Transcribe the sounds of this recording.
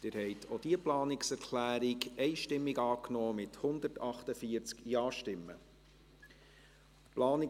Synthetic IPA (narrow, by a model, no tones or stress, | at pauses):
d̥ɪːɾhɛɪtʰod̥iəplɑːnɪksɛɾkʰlæːɾɪɡɛɪʃtɪmːiɡɑːknoːmɪthʊnd̪əɾtɑχtəfiəɾt͡skjɑːʃtɪmːə̰ | plɑːnɪ